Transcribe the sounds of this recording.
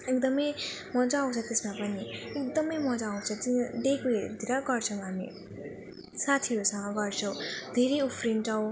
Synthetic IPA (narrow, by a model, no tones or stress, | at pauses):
ekd̪ʌmʌjmʌd͡zʌaw̃t͡sʰʌ̃t̪esmapʌniek̚d̪ʌmʌjmʌd͡zaaw̃t͡sʰʌt̪id̪ekuɦeɾ̰d̪iɾʌɡʌrt͡sʰʌ̃w̃ɦamḭ | sat̪ʰiɾosʌŋʌɡʌrt͡sʰʌ̃w̃d̪ʱeɾejupʰrinʈʌw̃